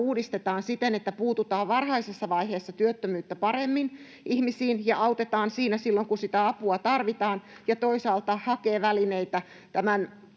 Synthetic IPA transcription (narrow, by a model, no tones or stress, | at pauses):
uːdist̪et̪ɑːnsit̪enet̪ːæpuːt̪ut̪ɑːʋʋɑrhɑisesːɑʋɑiheːsːɑt̪yøt̪ːømyːt̪ːæpɑremːin | ʔihmisiːnjɑʔɑwt̪et̪ɑːnsiːnæsilːoŋkunsit̪æɑpuɑt̪ɑrʋit̪ɑːnjɑt̪oisɑːlt̪ɑhɑkeːʋælineit̪æ | t̪æmæn